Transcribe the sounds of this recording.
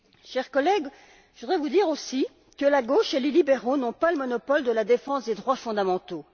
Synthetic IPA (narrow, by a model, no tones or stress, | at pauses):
ʃɛʁkɔlɛɡ | ʒəvud̪ʁɛvud̪iʁosi | kəlaɡoʃelelibeʁonɔ̃paləmɔnɔpɔld̪əlad̪efɑ̃sd̪ed̪ʁwafɔ̃d̪amɑ̃t̪o